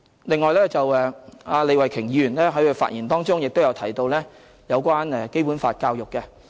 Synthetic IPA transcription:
lɪ˨ŋːɔː˨jlɛː˥t͡sɐ˨wɛː˨˧aː˧le˨˧jwɐ˨˩jkʰɪ˨˩ŋji˨˧yː˨˩nlɛː˥ɦɐ˨˥jɵ˧fa̰ː˧t̚jiː˨˩nt̪ɔː˥ŋt͡sʊ˥ŋjɪ˨k̚t̪o˥wjɐ˨˧wt̪ʰɐ˨˩jt̪o˧wlɛː˥ | jɐ˨˧wkʷaː˥nɛ˨˧ke˥jpu˨˥nfa̰ː˧t̚kaː˧wjʊ˨kːɛ˧

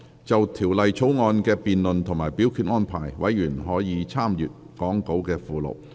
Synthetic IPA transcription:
t͡sɐ˨wt̪ʰiː˨˩wlɐ˨jt͡ʃʰo˨˥wŋɔː˧nkɛː˧piː˨nlɵ˨nt̪ʰʊ˨˩ŋmaː˨˩jpiː˨˥wkʰyː˨˧t̚ŋɔː˥npʰaː˨˩jwɐ̰˨˥jjyː˨˩nɦɔː˨˥jiː˨˧t͡sʰaː˥mjyː˨t̚ | kɔː˨˥ŋko˨˥wkɛː˧fuː˨lo̰˨˩w̚

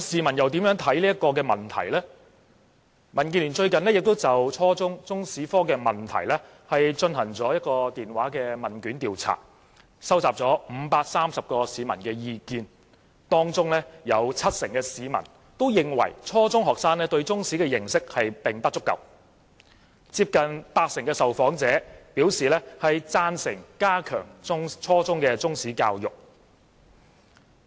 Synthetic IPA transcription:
siː˨mɐ˨˩njɐ˨wt̪iː˨˥mjœː˨˥ŋt̪ʰɐ˨˥jliː˥ɐ˥tkɔː˧kɛː˧mɐ˨˩nt̪ʰɐ̰˨˩jlɛː˥ | mɐ˨˩nki˧nli˨˩nt͡ʃɵ˧ɥkɐ˨nlɛː˥jɪ˨k̚t̪o˥wt͡sɐ˨wt͡ʃʰɔː˥t͡sʊ˥ŋt͡sʊ˥ŋsiː˨˥fɔː˥kɛː˧mɐ˨˩nt̪ʰɐ̰˨˩jlɛ˥ | hɐ˨jt͡ʃɵ˧nɦɐ˨˩ŋt͡sɔː˨˥jɐ˥t̚kɔː˧t̪iː˨nwaː˨˥kɛː˧mɐ˨˩nkyː˨˥nt̪iː˨wt͡sʰa̰ː˨˩ | sɐ˥wt͡saː˨p̚t͡sɔː˨˥m̩ː˨˧˦paː˧k̚saː˥msɐ˨p̚kɔː˧siː˨˧mɐ̰˨˩nkɛː˧jiː˧kiː˧n | t̪ɔː˥ŋt͡sʊ˥ŋlɛː˥jɐ˨˧wt͡sʰɐ˥t̚sɪ˨˩ŋkɛː˧siː˨˧mɐ̰˨˩n | t̪o˥wjɪ˨ŋwɐ̰˨˩jt͡sʰɔː˥t͡sʊ˥ŋɦɔː˨k̚saː˥nlɛː˥t̪ɵ˧ɥt͡sʊ˥ŋsiː˨˥kɛː˧jɪ˨˩ŋsɪ˥k̚hɐ˨jpɪ˨ŋt̪ɐ˥t͡sʊ˥kːɐ̰˨˩w | t͡siː˧p̚kɐ˨npaː˧k̚sɪ˨˩ŋkɛː˧sɐ˨wfɔː˨˥ŋt͡sɛː˨˥piː˨˥wsiː˨lɛː˥hɐ˨jt͡saː˥nsɪ̰˨˩ŋkaː˥kʰœ̰ː˨˩ŋʊ˥ŋt͡sʰɔː˥t͡sʊ˥ŋkɛː˧t͡sʊ˥ŋsiː˨˥ka̰ː˧wjʊ˨k̚

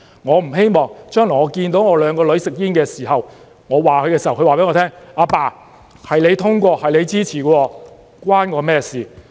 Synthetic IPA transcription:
ŋɔː˨˧m̩˨˩ɦe˥jmɔː˨ŋt͡ʃœː˥ŋlŋɔː˨˧kiː˧nt̪o˨˥wŋɔː˨˧lœː˨˧ŋkɔː˧lɵ˨˧˥ɥsɪ˨k̚jiː˥nkɛː˧siː˨˩ɦɐ˨w | ŋɔː˨˧waː˨kʰɵ˨˧kɛː˧shwkʰɵ˧waː˨pe˨˥jŋɔː˨˧t̪ʰɛː˥ŋaː˨˧paː˧˩ | hɐ˨jle˨˧jt̪ʰʊ˥ŋkʷɔː˧hɐ˨jle˨˧jt͡siː˥t͡sʰiː˨˩kɔ˧wɔː˧ | kwaː˥nŋɔː˨˧mɛː˥siː˨˩

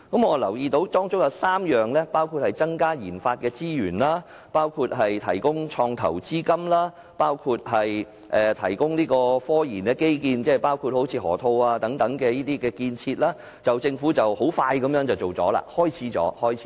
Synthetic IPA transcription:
kɐ˨˥mŋɔː˨˧lɐ˨˩wjiː˧t̪o˨˥wt̪ɔː˥ŋt͡sʊ˥jɐ˨˧wsaː˥mjœː˨ŋlɛː˥paː˥wkʰu˧t̚hɐ˨jt͡sɐ˥ŋkaː˥jiː˨˩nfaː˧t̚kɛː˧t͡siː˥jyː˨˩nlaː˥ | paː˥wkʰuː˧t̚ɦɐ˨jt̪ʰɐ˨˩jkʊ˥ŋt͡ʃʰɔː˧ŋt̪ʰɐ̰˨˩wt͡siː˥kɐ˥mlaː˥ | paː˥wkʰu˧t̚ɦɐ˨j | ʔɛː˨˩t̪ʰɐ˨˩jkʊ˥ŋniː˥kɔː˧fɔː˥jiː˨˩nkɛː˧ke˥jkiː˧nt͡sɛː˥˩paː˥wkʰu˧t̚ho˨˥wt͡sʰiː˧hɔ̰ː˨˩t̪ʰo˧waː˧t̪ɐ˨˥ŋt̪ɐ˨˥ŋkɛː˧jiː˥t̪iː˥kɛː˧kiː˧nt͡sʰiː˧t̚laː˥ | t͡sɐ˨wt͡sɪ˧ŋfuː˨˥t͡sɐ˨who˨˥wfaː˧jkɐ˨˥mjœː˨˥ŋt͡sɐ˨˩wt͡ʃo˨˩wt͡sɔ̰ː˨˥la̰ː˧˩hɔː˥jt͡sʰiː˨˥t͡sɔ̰ː˨˥hɔː˥jʰ

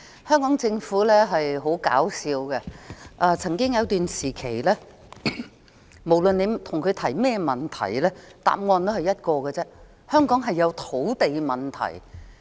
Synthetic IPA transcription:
hœː˥ŋkɔː˨˥ŋt͡sɪ˧ŋfuː˨˥lɛː˥ɦɐ˨jɦo˨˥wka̰ː˨˥wsiː˧wɡɛ˧ʔaː˧t͡sʰɐ˨˩ŋkɪ˥ŋjɐ˨˧wt̪yː˨nsiː˨˩kʰe˨˩jlɛː˥ | mo˨˩wlɵ˨ne˨˧jt̪ʰʊ˨˩ŋkʰɵ˨˧ɥt̪ʰɐ˨˩jmɛː˥mɐ˨˩nt̪ʰɐ̰˨˩jlɛː˥t̪a̰ː˨p̚ŋɔː˧nt̪o˥hɐ˨˩jɐ˥t̚kɔː˧ɡɛ˧t͡sɛ˥ | hœː˥ŋkɔː˨˥ŋɦɐ˨jːɐ˨˧wt̪ʰo˨˥wt̪e˨jmɐ˨nt̪ʰɐ̰˨˩j

